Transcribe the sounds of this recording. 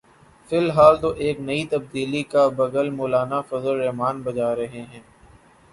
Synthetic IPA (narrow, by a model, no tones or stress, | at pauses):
fɪlɦaːlt̪oʔeːknɐit̪ɐb̚d̪iːlikabɐɡəlmoːlaːnafɐzəlːɛɦmaːnbɐd͡ʒaːɾɐɦeɦɛ̃ː